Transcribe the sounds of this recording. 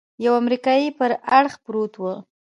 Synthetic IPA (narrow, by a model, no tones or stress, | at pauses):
jawamɾikɑjipəɾaɽxpɾot̪wə